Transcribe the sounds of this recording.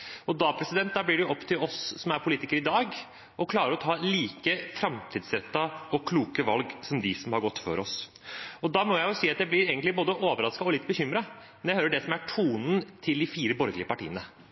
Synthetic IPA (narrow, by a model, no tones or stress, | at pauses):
ɔd̪ɑːpʰɾɛsɪd̪ɛnt̪̚d̪ɑːblɪɖɛɔpːt̪ʰɪlɔssɔmæɾpʰʊliːt̪ɪkəɾɪd̪ɑːɡ | ɔkʰlɑːɾəɾɔt̪ʰɑːliːkəfɾɑmt̪ʰiːd̪sɾɛt̪ːɑɔkʰluːkəʋɑlɡsɔmd̪ɪsɔmhɑɾɡɔt̪ːfø̰ːɾɔs | ɔd̪ɑːmɔjæɪjʊsiːɑt̪jæɪblɪɾeːɡənt̪lɪboːd̪əʔoːʋəɾɑskɑɔlɪt̪̚ːbəçʏmɾɑmɛnjæɪøːɾəɖɛsɔmæʈʰuːnən̩t̪ʰɪld̪ɪfiːɾəbɔɾɡəlɪəpɑʈḭːənə